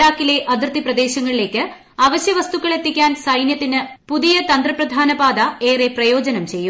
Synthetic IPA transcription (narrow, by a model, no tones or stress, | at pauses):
aːkːile̞ʔɐd̪ʱirt̪ːiprɐd̪e̞ːɕɐŋːɐɭile̞ːkʲːɨ | ɐːʋɐɕjɐʋɐst̪ukːɐɭe̞t̪ːikʲːaːnsɐjnjɐt̪ːinɨpuðijɐt̪ɐnd̪rɐprɐd̪ʱaːnɐbaːd̪ɐe̞ːreprɐjo̞ːd͡ʑɐnɐmt͡ɕe̞jːu